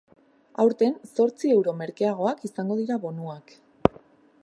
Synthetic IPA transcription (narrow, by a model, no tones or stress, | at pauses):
awɾt̪e̞nso̞ɾt͡sie̞wɾo̞me̞ɾkeaɣ̞o̞akisaŋɡo̞ðiɾaβo̞nuak